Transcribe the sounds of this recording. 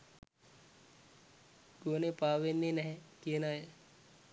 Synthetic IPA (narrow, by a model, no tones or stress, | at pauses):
ɡoːnepaːʋenːenɛɦɛkienaːje